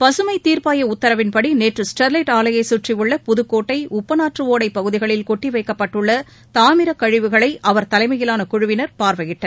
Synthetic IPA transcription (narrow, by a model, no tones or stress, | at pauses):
pɐsɯmɐɪt̪ːiːɾpaːjɐʊt̪ːɐɾɐʋɪnpɐɽineːʈrɯsʈɐɾlɐɪʈaːlɐjɐɪsuːʈrɪjɯɭːɐpʊðɯkːoːʈːɐɪʔʊpːɐnaːʈrɯʋoːɽɐɪpːɐɣɯðɪɣɐɭɪlkɔʈːiʋɐɪkːɐpːɐʈːɯɭːɐ | t̪aːmɪɾɐkɐɻɪʋɯɣɐɭɐɪʔɐʋɐɾt̪ɐlɐɪmɐjɪlaːnɐkʊɻʊʋɪnɐɾpaːɾʋɐɣɪʈːɐɾ